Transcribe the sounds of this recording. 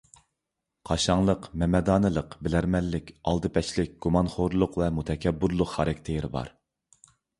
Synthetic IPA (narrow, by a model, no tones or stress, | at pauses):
qʰɑʃɑŋlˠəqmɛmɛd̪ɑːnɨlˠəqbɪlæɾmɛlːɪkʲɑlˠd̪ɨpʰɛʃlɪk̚ʲɡ̥umɑnχoɾlˠʊqvɛmut̪ʰɛkʲʰɛbːuɾlˠʊqχɑɾɛkʲt̪ʰejɾɪbɑ̰ɾ